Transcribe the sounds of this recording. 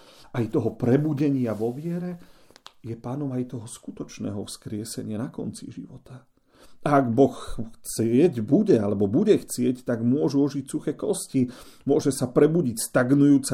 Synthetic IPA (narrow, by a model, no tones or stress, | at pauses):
ʔajt̪ɔɦɔpɾɛbuɟɛɲɪaʋɔʋɪɛɾɛ | jɛpaːnɔmajt̪ɔɦɔskut̪ɔt͡ʃnɛ̰ːɦɔfskɾɪɛsɛɲɪanakɔnt͡sḭʒḭʋɔt̪a | ʔaːɡbɔxxt͡sɪɛɟbuɟɛalɛbɔbuɟɛxt͡sɪɛct̪aɡmʊɔʒuɔʒicsuxɛːkɔscimʊɔʒɛsapɾɛbuɟicst̪aɡnujuːt͡sa